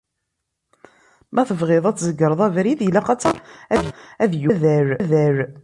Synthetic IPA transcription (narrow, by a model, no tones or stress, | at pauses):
mæθəvʁeðˤæt͡sːzəɡːəɾˤəðˤævɾiðjlæqɑt͡sːæææðjuðæɾðæɾ